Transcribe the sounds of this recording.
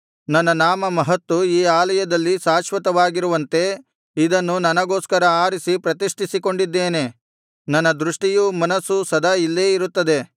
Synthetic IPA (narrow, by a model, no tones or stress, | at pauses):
nɐnːɐnaːmɐmɐɦɐt̪ːuiːaːlɐjɐd̪ɐlːisaːʃʋɐt̪ɐʋaːɡiɾuʋɐnt̪e̞ | id̪ɐnːunɐnɐɡo̞ːskɐɾɐaːɾisipɾɐt̪iʂʈisiko̞ɳɖid̪ːe̞ːne̞ | nɐnːɐd̪ɾuʂʈijumɐnɐsːusɐd̪ʱɐilːe̞ːiɾut̪ːɐd̪e̞